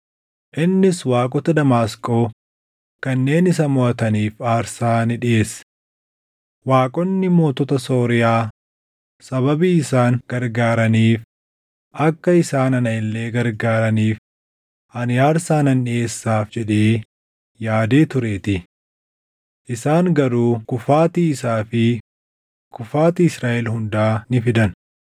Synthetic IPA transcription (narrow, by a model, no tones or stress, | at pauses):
ʔɪnːɪswaːkʼɔt̪ɐd̪ɐmaːskʼo̞ː | kɐnːe̞ːnɪs̬ɐmʊɐt̪ɐniːfaːɾsaːnɪᶑɪʔe̞ːs | waːkʼɔnːɪmo̞ːt̪ɔt̪ɐso̞ːɾɪjaː | sɐβɐbiːɪsaːŋɡ̥ɐɾɡaːɾɐniːf | ʔɐkːɐɪsaːnɐnɐɪlːe̞ːɡɐɾɡaːɾɐniːf | ʔɐnɪjaːɾsaːnɐnᶑɪeːsːaːfd͡ʒɛᶑeː | jaːd̪e̞ːt̪ʊɾe̞ːt̪ɪ | ʔɪsaːŋɡɐɾuːkʊfaːt̪iːɪsaːfɪ | kʊfaːt̪iɪsɾaːʔɛlhʊnd̪aːnɪfɪd̪ɐn